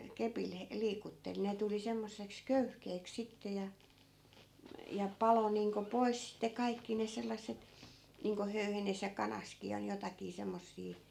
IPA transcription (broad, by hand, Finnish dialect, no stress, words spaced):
kepil he liːkutːel ne tuli semːosːeks køyhkeːks sitːe jɑ jɑ pɑlo niːŋko pois sitːe kɑikːi ne selˑɑsːet niːŋko høyhenes jɑ kɑnɑskiː ol jotɑkiː semːosːiː